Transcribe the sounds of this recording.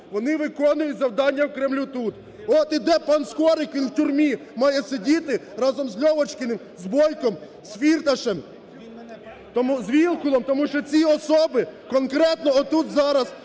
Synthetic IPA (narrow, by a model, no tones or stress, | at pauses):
ʋɔnɪʋɪkɔnʊjʊtʲzɐwd̪ɑnʲːɐwkɾɛmlʲut̪ut̪ | ɔt̪id̪ɛpɐnskɔɾɪkʲilwtʲʊrmʲimɑjɛsedʲit̪ɪ | ɾɑzɔmzʲlʲɔʋɔt͡ʃkɪnɪm | zbɔjkɔm | sfʲirt̪ɐʃɛm | t̪ɔmzʋʲilˠkʊlˠɔmt̪ɔmuʃt͡ʃɔt͡sʲiɔsɔbɪkɔnkɾɛt̪nɔɔt̪ut̪zɑɾɐs